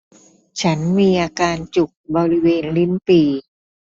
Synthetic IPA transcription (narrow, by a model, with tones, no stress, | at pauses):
t͡ɕʰa˦˥nmiː˧ʔaː˧kaː˧nt͡ɕu˨˩k̚bɔː˧ɾi˦˥weː˧nli˦˥˩npiː˧